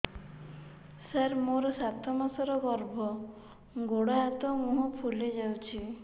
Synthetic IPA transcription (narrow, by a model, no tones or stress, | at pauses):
saɾmoɾɔsat̪ʰɔmasɔɾɔɡɔɾbʱɔ | ɡoɽaat̪ɔmũɦɔpʰuled͡ʒawt͡ʃʰi